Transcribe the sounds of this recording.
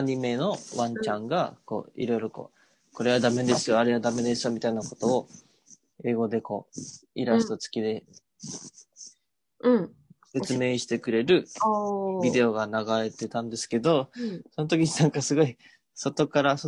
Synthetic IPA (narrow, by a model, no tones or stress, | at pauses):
ɲ̟ime̞no̞βãɲ̟t͡ɕãŋɡako̞̰ːḭɾo̞iɾo̞ko̰ː | ko̞ɾe̞β̞ad̪ame̞d̪e̞sɨjo̞aɾe̞βad̪ame̞d̪e̞sɨ̥jomʲit̪ainako̞t̪o̞ː | e̞ːɡo̞d̪e̞ko̞̰ːiɾasi̥t̪o̞t͡sɨ̥kʲid̪e̞ | ɯ̃se̞t͡sɨme̞ːɕi̥t̪e̞kɯ̟ɾe̞ɾɯ̟ | bʲid̪e̞o̞ɡanaɡaɾe̞t̪e̞t̪ãnd̪e̞sɨ̥ke̞d̪o̞so̞no̞t̪o̞kʲiɲinãŋkasɨɡo̞i | so̞t̪o̞kaɾaso